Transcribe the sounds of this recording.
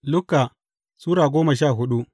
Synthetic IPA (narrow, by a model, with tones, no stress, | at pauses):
lʊ˦kːa˨ | suː˦ɾaː˨ɡʷoː˦mɐ˨ʃ̬aː˦˨ɦʊ˦ɗu˦ʔ